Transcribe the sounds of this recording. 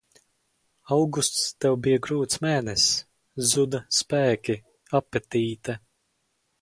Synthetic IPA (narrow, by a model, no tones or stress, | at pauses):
awɡust̪st̪ɛwbijaɡɾuːt̪smɛːnɛs | zud̪ɐspæːkʲi | apːɛt̪ʲiːt̪ɐ